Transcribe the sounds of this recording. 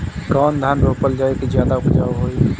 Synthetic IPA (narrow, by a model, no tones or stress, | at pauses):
kɔːnd̪ʱanɾoːpəld͡ʒaːekezjaːd̪aʊpd͡ʒaːoɦoːiː